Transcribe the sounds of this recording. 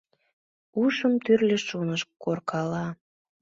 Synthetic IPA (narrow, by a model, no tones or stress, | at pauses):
uʃəmt̪yrleʃunəʃkːorkɑlɑ